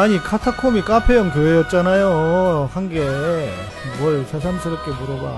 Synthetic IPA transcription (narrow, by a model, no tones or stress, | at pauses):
aɲikʰatʰakʰomik͈apʰejʌnkoejʌt̚t͡ɕ͈anajohanɡe | mwʌɭt͡ɕʰes̬ʰamsʰɯɾʌp̚k͈emuɾoba̰